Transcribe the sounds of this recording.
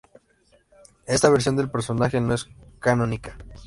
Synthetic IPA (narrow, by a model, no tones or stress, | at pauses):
e̞st̪aβeɾs̬jo̞nd̪elpe̞ɾso̞naxe̞no̞e̞skano̞nikḁ